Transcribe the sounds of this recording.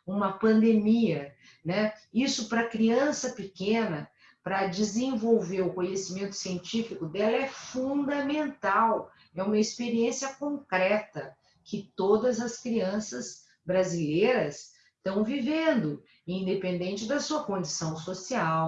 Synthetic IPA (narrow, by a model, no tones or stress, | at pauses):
ũmɐpɐ̃nd̪emiɐ | nɛisʊpɾɐkɾiɐ̃sɐpɪkẽnɐ | pɾɐd͡ʒɪzẽvowveɾʊkõɲesimẽnt̪ʊ̥siẽnt͡ʃifikʊd̪ɛlɐɛfũd̪ɐmẽnt̪aw | ɛũmɐispeɾiẽsiɐkõŋkɾɛt̪ɐ | kɪt̪od̪ɐzɐskɾiɐ̃sɐz | bɾazilejɾɐs | t̪ɐ̃w̃vivẽnd̪ʊ | ĩd̪epẽnd̪ẽnt͡ʃɪd̪ɐsuɐkõnd͡ʒisɐ̃w̃sosiaw